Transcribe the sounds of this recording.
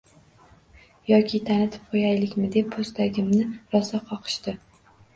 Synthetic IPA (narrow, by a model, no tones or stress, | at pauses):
jɒkʲʰɪt̪ʰanɪt̪ʰɪ̥p̚qʰojajlɪkʲmɪd̪e̞pʰːost̪ʰaɡʲɪmnɪɾɒsaqʰɒqʰɨ̥ʃt̪ɪ